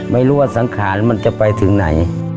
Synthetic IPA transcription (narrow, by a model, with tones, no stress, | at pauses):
ma˧˩jlu˧˩˨ət̪̚sa˨˦ŋkʰaː˨˦nma˧˥˨nt͡ɕa˧pa˧jt̪ʰɯ˨˦ŋna̰˨˩˦j